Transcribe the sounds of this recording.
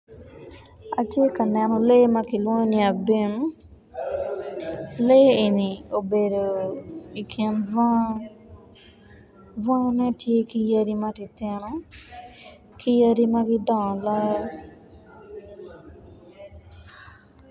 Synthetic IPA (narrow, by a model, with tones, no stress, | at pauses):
a˨t͡ʃje˦ka˨nɛ˨nɔ˦le˦ma˦ki˨lwɔ˦ɲo˦ni˨a˨be˦m | le˦e˨ni˨o˨be˨do˨i˨kʰje˨ma | va˦nɛ˦tje˦ki˦ja˦ɾi˦ma˦ti˨t̪ɪ˦nɔ˦ | kʰi˦ja˦di˦maɡi˦dɔ̃˦˨la˦j